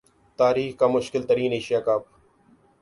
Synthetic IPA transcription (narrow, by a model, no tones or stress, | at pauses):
t̪aːɾiːxkaːmʊʃkɪlt̪əɾiːneːʃɪjaːkaːp̚